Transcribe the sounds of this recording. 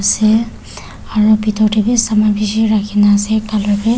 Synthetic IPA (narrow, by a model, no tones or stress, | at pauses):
sɛ | aɹupitʰɔtebisamabisiɹakʰinaːsɛkalɔpɛ